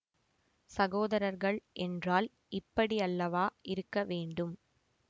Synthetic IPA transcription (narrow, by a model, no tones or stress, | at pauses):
sɐɣoːðɐɾɐɾɣɐɭʔɛndraːl | ʔɪpːɐɽiɐlːɐʋaːʔɪɾɯkːɐʋeːɳɖɯm